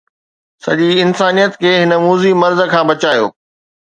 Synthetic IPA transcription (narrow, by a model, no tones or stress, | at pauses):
sɐ̰ʄiɪnsaːnijət̪kʰeːɦɪnə̆muːzimɐɾzə̆kʰãːbɐt͡ɕaːjo̰ː